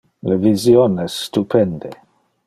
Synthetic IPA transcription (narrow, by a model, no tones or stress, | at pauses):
levizjonɛsːt̪upʰend̪e